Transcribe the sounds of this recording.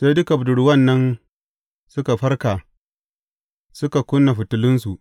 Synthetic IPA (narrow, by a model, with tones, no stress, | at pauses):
se˦jdʊ˦ka˨bʊ˨dʊ˨ɽʊ˦wɐ˦˨nːɐ˦n | sʊ˦ka˨ɸɐ˦rka˨ | sʊ˦ka˨kʷʊ˦nːa˨ɸɪ˨tʊ˨lɪ˦nsu˨ʔ